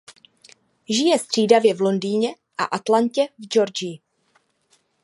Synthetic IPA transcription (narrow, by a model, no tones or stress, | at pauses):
ʒɪjɛst̪r̝̥iːdavjɛvlo̞ndiːɲɛ | ʔaʔat̪lancɛvd͡ʒo̞ɾd͡ʒɪ